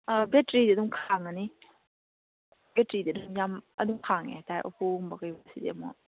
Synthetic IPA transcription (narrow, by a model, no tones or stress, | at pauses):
abɛtɾididumkʰaŋani | bɛtɾidid̪umjamɐ̰d̪umkʰaŋɛ̰tajʔɔ̰pʰumbaɡəjbasidḛmɔ